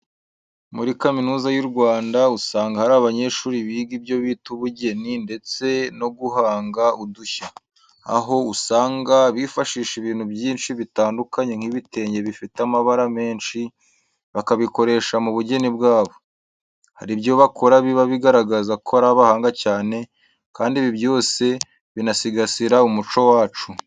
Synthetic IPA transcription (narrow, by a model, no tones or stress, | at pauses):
muɾikaminuːzajuɾɡwaːndausaːŋɡahaɾaβaɲe̞ʃuːɾiβiɡibjo̞βiːtuβuɟe̞ninde̞t͡se̞no̞ɡuɦaːŋɡauduça | a̰ɦo̞usaːŋɡaβifaʃiːʃiβiːn̥hubjiːnʃiβitaːndukaɲe̞ŋ̥hiβite̞ːɲɟe̞βifitamaβaɾame̞ːnʃi | βakaβiko̞ɾe̞ːʃamuβuɟe̞nibɡaːβo̞ | ha̰ɾibjo̞βako̞ɾaβiβaβiɡaɾaɡazakʰoaɾaβahaːŋɡacaːne̞ | kaːndiβibjo̞ːse̞ | βinasiɡasiɾaumut͡ʃo̞waːt͡ʃu